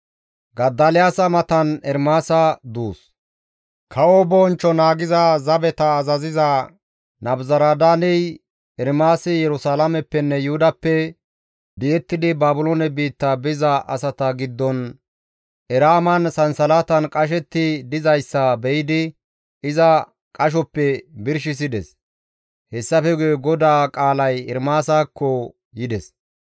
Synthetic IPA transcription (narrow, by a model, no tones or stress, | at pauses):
ɡɐd̪ːɐlɪjaːsɐmɐt̪ɐnɛɾmaːsɐd̪uːs | kʰɐwobɔnt͡ʃːɔnaːɡɪzɐzɐbɛt̪ɐːzɐzɪzɐ | nɐbzɐɾaːd̪aːnɪj | ɛɾmaːsɪjɛɾʊsaːlɐmɛpːɛnːɛjʊhʊd̪ɐpːɛ | bɪjɛt̪ːɪd̪ɪbaːbʊloːnɛbiːt̪ːɐbɪzɐʔɐ̰sɐt̪ɐɡɪd̪ːɔn | ɛɾaːmɐnsɐnsɐlaːt̪ɐnkʼɐʃ̬ɛt̪ːɪd̪ɪzɐjsːɐbɛjɪd̪ɪ | ɪzɐ | kʼɐʃ̬ɔpːɛbɪɾʃɪs̬ɪd̪ɛs | hɛsːɐfɛɡʊjɛɡɔd̪aːkʼaːlɐjɪɾmaːsaːkːɔ | jɪd̪ɛs